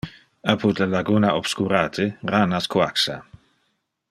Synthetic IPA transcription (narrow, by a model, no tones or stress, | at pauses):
apʰut̪lalaɡunaʔob̥skuɾaːt̪ʰeranaskwaksa̰